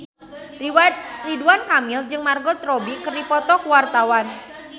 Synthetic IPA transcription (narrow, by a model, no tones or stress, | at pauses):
riwat̪̚riduankamɪld͡ʒɨŋmarɡɔt̪ɾobikərdipɔt̪ɔkuwart̪awan